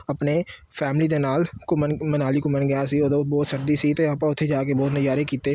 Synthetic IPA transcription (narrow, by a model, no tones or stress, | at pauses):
ɐpne | fʰɛːmlid̪enaːlkomnmənaːlikomənɡəjãsiod̪obɔːt̪sɐɾd̪isit̪eɐpãʊt̪ʰːed͡ʒaːkebɔːt̪nəjaːɾekiːt̪eː